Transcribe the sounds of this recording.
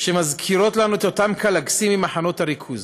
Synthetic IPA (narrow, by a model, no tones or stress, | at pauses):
ʃe̞mazkʰiɾo̞tlanuet̪o̞tamkalaɡsimimaħano̞taɾikʰuz